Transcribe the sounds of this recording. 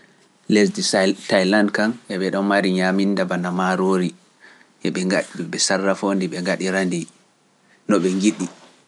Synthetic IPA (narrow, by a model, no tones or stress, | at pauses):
lesditajlandkanʔɛɓɛɗɔnmaɾiɲamindabanamaɾoːɾi | ʔɛɓɛŋɡaɗɓɛsarːafoːndiɓɛŋɡaɗiɾandi | nɔɓɛŋɡiɗi